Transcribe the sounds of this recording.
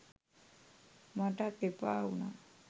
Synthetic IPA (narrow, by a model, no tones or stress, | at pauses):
maʈat̪epauna